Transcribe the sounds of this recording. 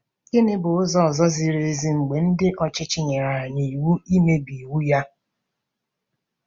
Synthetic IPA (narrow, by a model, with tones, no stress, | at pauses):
e˦nɪ˦bʊ˨ʊ˦zɔ˦ɔ˨zɔ˦zi˨ɾe˨e˦zi˦ŋ͡m̩˨ɡ͡be˨n̩˦dɪ˦ʔɔ˦t͡ʃɪ˦t͡ʃɪ˦ɲe˨ɾa˨a˨ɲe˨i˨wu˦i˦me˦bi˨wu˦ja˦